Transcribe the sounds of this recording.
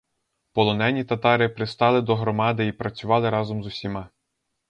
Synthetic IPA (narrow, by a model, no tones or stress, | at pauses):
pɔlˠɔnɛnʲit̪ɐt̪ɑɾɪpɾɪst̪ɑlˠɪd̪ɔɦɾɔmɑd̪ɪipɾɐt͡sʲʊʋɑlˠɪɾɑzɔmzʊsʲimɑ